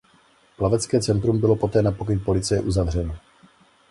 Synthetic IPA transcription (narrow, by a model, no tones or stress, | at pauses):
plavɛt͡skɛːt͡sɛnt̪ɾumbɪlo̞po̞t̪ɛːnapokɪnpo̞lɪt͡sɪjɛʔuzavr̝ɛno